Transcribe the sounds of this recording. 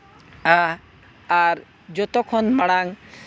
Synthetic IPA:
a | aɾ | d͡ʒɔt̪okʰonmaɽ̃aŋ

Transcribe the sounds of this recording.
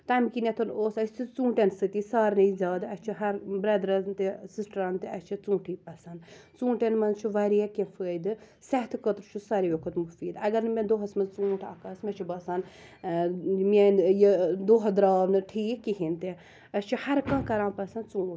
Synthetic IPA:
t̪ɐmkinɐt̪ʰɐnoːsɐsʲt͡ʃ̪ʰit͡sũːʈensɨt̪isaːɾnɐizʲaːd̪ɐst͡ʃʰiɦɐɾbɾɐd̪ɾɐt̪esisʈɾaːnt̪eɐst͡ʃʰit͡sũːʈʰiːpɐsɐnt͡sũːʈenmɐnt͡ʃʰuʋɐɾiakẽfəːd̪ɨ | sɐɦt̪ʰkət̪ɾt͡ʃʰusɐɾijokʰɐt̪mufiːd̪ɐɡɐɾnɨmʲẽnd̪oɦɐsmɐzt͡sũːʈʰɐ̰kɐːsmɐt͡ʃʰubɐsɐn | mʲenjed̪oɦɐd̪ɾaːʋnɨʈʰiːkːiɦint̪e | ɐst͡ʃʰuhɐɾkɐ̃ːkɐɾãːnpɐsɐnt͡sũː

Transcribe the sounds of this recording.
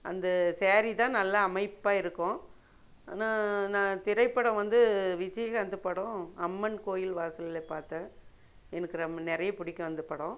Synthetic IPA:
ʔɐ̰nd̪ɐseːɾit̪ãːnɐlːɐːmɐɪpːaːɪɾɯkːʊ̃ | a̰ːnaːnãːt̪ɪɾɐɪpːɐɽɐ̃ʋɐnd̪ɯʋɪd͡ʒɐjɐɣɐɐnd̪ɯpɐɽõɐmːɐnkoːjɪlʋaːsɐlɪlepaːɾt̪ɐ | ɛnɐkːɪɾɐnɛɾɐjɐpʊɽɪkːɐ̃ʋɐnd̪ɯpɐɽõ

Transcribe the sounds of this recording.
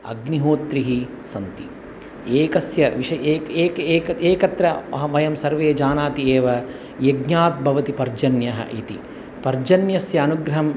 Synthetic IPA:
ɐ̰ɡniɦoːt̪ɾiɦi | sɐnt̪i | eːkɐsjɐʋiʃɐeːkeːkeːkɐeːkɐt̪ɾɐɐɦɐmɐjɐmsɐɾʋeːd͡ʒaːnaːt̪ieːʋɐ | jeɡɲaːt̪̚bʱɐʋɐt̪ipɐɾd͡ʒɐnjɐɦɐ̰ʔḭt̪ḭ | pɐɾd͡ʒɐnjɐsjɐːnuɡɾɐɦɐm

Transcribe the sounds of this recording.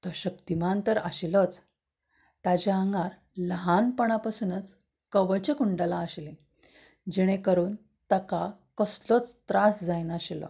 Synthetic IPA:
t̪ɔɕəkt̪imant̪əɾa̰ɕilɔt͡s | t̪ad͡ʑaəŋɡaɾ | ləɦanpəɽ̃apasuːnət͡s | kəʋəɭt͡ɕekuɳɖalaəɕlẽ | d͡ʑeɽ̃ekəɾuːn | t̪əkakəslɔt͡st̪ɾasd͡zajnaɕilɔ̰

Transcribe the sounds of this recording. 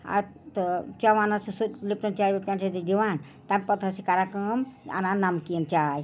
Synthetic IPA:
a̰t̪t͡ʃaʋanasisulip̚ʈɐnt͡ʃajbepʈant͡ʃʰad̪id̪iʋan | t̪amʲpət̪asikaɾakəma̰nanamkiənt͡ʃaːj

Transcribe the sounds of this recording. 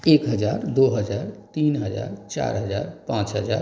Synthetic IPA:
ekɦəd͡ʒaɾd̪oɦəd͡ʒaɾt̪inɦəd͡ʒa̰ɾt͡ʃa̰ɾɦəd͡ʒa̰ɾpãt͡ʃɦəd͡ʒa̰ɾ

